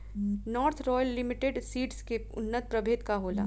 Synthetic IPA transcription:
nɔːɾt̪ʰɾɔːjəlːɪmɪʈeɖsiːʈskeʊ̰nːət̪̚pɾəbʱeːt̪kaɦoːla̰ː

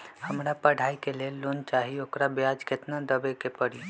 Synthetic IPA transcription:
həmɾapəɽ̤ʱaikelelːont͡ʃaɦiokɾabjad͡ʒket̪nad̪əbekepəɽi

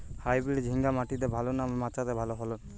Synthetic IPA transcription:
hajbɾiɽd͡ʒʱiŋɡamaʈid̪ɛbʱalɔnamɛmat͡ʃaɾɛbʱalɔɦɔlɔ

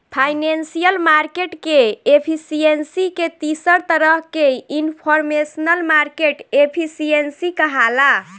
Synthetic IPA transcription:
pʰajnensijəlmaɾkeʈkeepʰisiensiket̪isəɾt̪əɾəɦkeinpʰɔɾmesənəlmaɾkeʈepʰisiensikəɦala

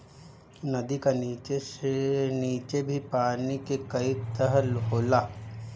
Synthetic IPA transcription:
nɐd̪ikaniːt͡ʃeseniːt͡ʃebʱipaːnikekɐit̪əɦəlɦoːlaː

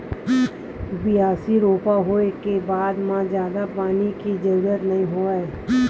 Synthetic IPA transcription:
bɪaːsiɾoːpaɦoekebaːd̪mãzjaːd̪apaːnikid͡ʒɐɾuːɾət̪nɐɦĩɦoːaɛ

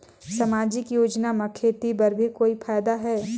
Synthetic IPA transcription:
sɐmaːd͡ʒɪkjoːd͡ʒnamɐkʰeːt̪ibɐɾbʱikoːipʰaːjd̪aɦɛː

